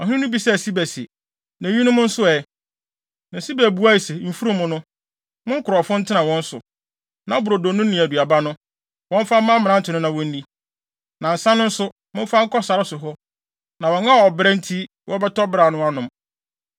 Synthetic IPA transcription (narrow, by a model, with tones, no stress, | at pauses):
ɔ˨hnʊ̃˦bi˦sɛ˦æ˨si˦bæ˨sɛ̰˨ | næ̃˨ɲĩ˦nʊ̃˦mʊ̃˦n̩˦sʊ˦ɛ˨ | nã˨si˦bæ˨bu˦a˦i˨se˨m̩˦fu˦ɾũ˦mʊ̃˦nʊ̃˦ | mʊ̃˦ŋ̩˦kʰʊ˨ɾɔ˨fʊ̃˦n̩˦tʰɪ˦nã˨wɔ̃˦n̩˦sʊ̰˨ | nã˨˦bʊ˨ɾo˨do˨nʊ̃˦nĩ˨æ˨du˨a˨ba˦nʊ̃˦ | wɔ̃˦ɱ˦faː˦ã˦mɪ̃˨nã˦n̩˦tʰɪ˨nʊ̃˦nã˨wɔ̃˦n̩˦di˦ | nã˨n̩˨sã˦nʊ̃˦n̩˦sʊ˦ | mʊ̃˦m˦fa˦ŋ̩˦kɔ˦sa˨ɾɪ˦sʊ˨ɦɔ˦ | nã˨wɔ̃˨nã˦˨ɔ˨bɾɛ̃˦n̩˦tʰi˦ | wʔɔ̃˦bɛ˦tɔ˦bɾa˨nʊ̃˦a˦nʊ̃˨m